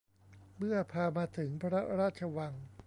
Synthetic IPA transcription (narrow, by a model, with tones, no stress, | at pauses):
mɯ˥˩ɐpʰaː˧maː˧t̪ʰɯ˩˦ŋpʰɾa˦˥ɾaː˥˩t̪̚t͡ɕʰa˧wa˧ŋ